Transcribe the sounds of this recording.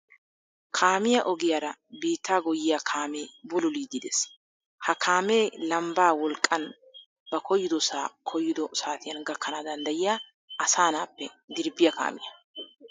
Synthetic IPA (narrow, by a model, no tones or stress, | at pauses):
kʰaːmɪjɐʔɔɡɪjaːɾɐbiːt̪ːaːɡɔjɪjakʰaːmeːbʊlʊliːd̪ɪd̪eːs | hɐkʰaːme̞ːlɐmbaːwɔlkʼːɐn | b̥ɐkʰɔjːɪd̪ɔsaːkʰɔjːɪd̪ɔsaːt̪ɪjɐnɡɐkːɐnaːd̪ɐnd̪ɐjɪjaː | ɐsaːnaːpːɛd̪ɪɾbɪjɐka̰ːmɪ̰jɐ